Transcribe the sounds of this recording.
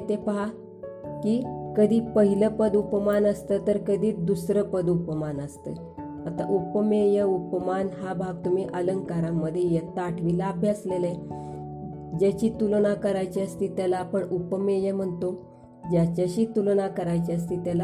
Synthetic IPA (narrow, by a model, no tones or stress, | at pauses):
t̪epəɦa | kikəd̪ʱiːpəɦiləpəd̪upəmanəst̪ət̪əɾkəd̪ʱiːd̪usɾəpəd̪upəmanəst̪ə | at̪a̰ʔupəmejəupəmanɦabʱaɡ̚t̪um̤iːʔələŋkaɾamːəd̪ʱːjejet̪aʈʰʋilaːbʱjaslele | d͡ʑat͡ɕiːt̪ulɽ̃akəɾajt͡ɕiəst̪iːt̪jalaːpəɳupəmejəm̤əɳt̪o | d͡ʑjat͡ɕaɕiːt̪ulɳakəɾajt͡ɕiəst̪iːt̪jala